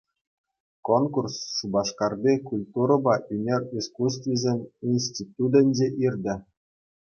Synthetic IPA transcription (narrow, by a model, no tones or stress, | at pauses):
konkursːubɑʂkɑrdʲekulʲt̪uɾɤ̆bɑʔynʲerʲiskus̬t̪vʲizʲemʲinʲsʲtʲit̪ud̪ɘ̆nʲd͡ʑeʔirʲd̪ʲɘ̆